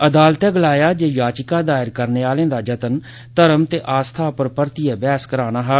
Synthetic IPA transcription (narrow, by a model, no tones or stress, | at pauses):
əd̪aːlt̪ɛːɡəlaːjaːd͡ʒeːjaːt͡ʃɪkaːd̪aːɪɾkəɾneːaːlẽːd̪aːd͡ʒət̪ən | t̪əɾəmt̪eːʔaːst̪ʰaːpəɾpəɾt̪iɛːbɛːskəɾaːnaːɦɛː